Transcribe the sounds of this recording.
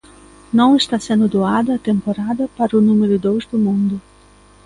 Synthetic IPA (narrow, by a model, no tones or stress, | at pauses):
nɐ̃w̃ɪst̪asẽnd̪ʊd̪oad̪ɐːt̪ẽmpoɾad̪ɐpaɾɐʊnũmeɾʊd̪owzd̪ʊmũnd̪ʊ